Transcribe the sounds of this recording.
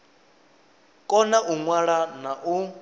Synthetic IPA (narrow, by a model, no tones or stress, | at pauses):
kʼɔnaʔuŋwaɺanaʔu